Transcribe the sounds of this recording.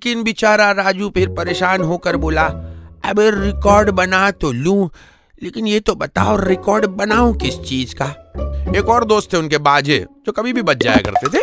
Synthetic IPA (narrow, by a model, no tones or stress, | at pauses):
kɪnbɪt͡ʃaːɾaɾaːd͡ʒupʰɪɾpɐɾeːʃaːnɦoːkəɾboːlaɛbeɾɪkɔːɾɖbɐnat̪olũː | leːkɪnjet̪obɐt̪a̰ːoɾːɪkɔːɾɖbɐnaːũkɪst͡ʃiːzkaːeːkɔːɾd̪oːst̪ʰːeʊnkebaːd͡ʒḛd͡ʒoːkɐbʱibʱibɐt̪d͡ʒa̰ːja̰kɐ̰ɾt̪et̪ʰe